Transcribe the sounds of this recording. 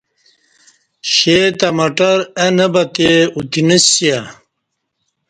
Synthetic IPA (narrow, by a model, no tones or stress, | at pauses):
ɕet̪ɐmɐʈɐɾɐnɐbɐt̪eut̪inəsjɐ